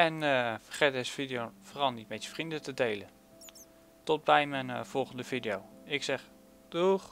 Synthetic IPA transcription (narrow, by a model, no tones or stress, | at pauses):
ɛnfəχɛdɛsfidijoforɑlˠnitmɛtjə̥frindətədejlə | tɔd̚bɛjmɛjnvɔlˠχəndəvidiowɪksɛχ | d̥uχ